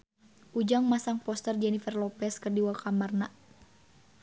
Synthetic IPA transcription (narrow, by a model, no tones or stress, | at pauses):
ʔud͡ʒaŋmasaŋpɔst̪ərd͡ʒɛnifərlɔpɛskərdiwakamarna